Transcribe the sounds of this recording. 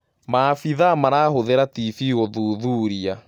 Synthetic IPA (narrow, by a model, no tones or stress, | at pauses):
mafiðamanaːɦoðeɾatifiɣɔðuːðuːɾia